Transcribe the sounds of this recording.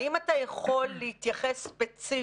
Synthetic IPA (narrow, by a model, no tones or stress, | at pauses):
imatajeχo̞lːeit̪jaχesːpet͡si